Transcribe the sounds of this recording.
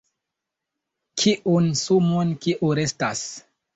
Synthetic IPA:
kʰiʔunsumonkiʔuɾe̞stas

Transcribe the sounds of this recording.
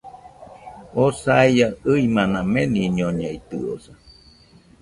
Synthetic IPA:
osaijaɨimãnãmeniɲoɲejt̪ɨ̰o̰sa

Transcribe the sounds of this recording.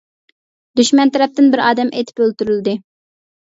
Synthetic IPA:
d̪yʃmɛnt̪ʰæɾɛp̚t̪ɪnbɪɾɑːd̪ɛmʔḛjt̪ʰɪ̥pølt̪yɾylɪd̪ɪ

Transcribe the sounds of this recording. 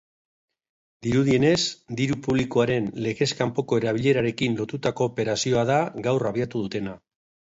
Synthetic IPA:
d̪iɾuðie̞ne̞sd̪iɾupuβ̞likoaɾe̞nle̞ɣe̞skampo̞ko̞e̞ɾaβ̞iʎe̞ɾaɾe̞kinlo̞t̪ut̪ako̞ːpe̞ɾasio̞aðaɡawraβiat̪uðut̪e̞na

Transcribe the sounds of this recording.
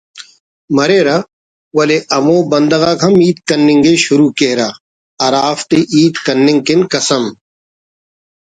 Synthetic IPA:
mɐɾeːɾɐ | wɐleʔɐmõːbɐnd̪ɐɣaːkʰɐmiːt̪̚kɐnːɪŋɡeɕʊɾuːkeɾa | ɐɾaːft̪iʔiːt̪kɐnːɪ̃ŋkɪnkɐsɐm

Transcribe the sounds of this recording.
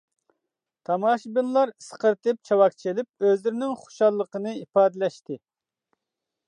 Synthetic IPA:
t̪ʰɑmɑʃbinlˠɑɾsə̥qəɾt̪ɨp̚t͡ʃʰɑwɑk̚t͡ʃʰelɪp̚øzlɪɾɪnɪŋχo̥ʃɑlˠːəqənɨipɑːd̪ɪlɛʃt̪ɨ

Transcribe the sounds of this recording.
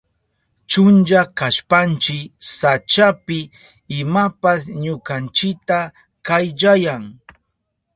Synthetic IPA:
t͡ʃʊnt͡ʃakaʃpant͡ʃɪksat͡ʃapɪ | ɪmapasɲʊkant͡ʃɪk̚t̪a | kajʎajaŋ

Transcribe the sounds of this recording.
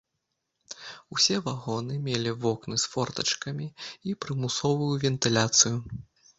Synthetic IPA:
usʲɛvaɣɔnɨmʲelʲivɔknɨsfɔrt̪ɐ̰t͡ʂkɐmʲiipɾɨmusɔvujuvʲɛnt̪ɨlʲat̪sɨju

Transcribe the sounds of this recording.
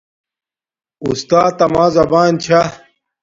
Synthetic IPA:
ṵst̪aːt̪ːɐmaːzɐbaːnt͡ɕʰa

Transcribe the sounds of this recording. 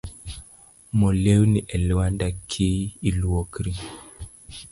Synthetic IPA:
mɔlewniʔɛlwandakʰːiːlwokɾi

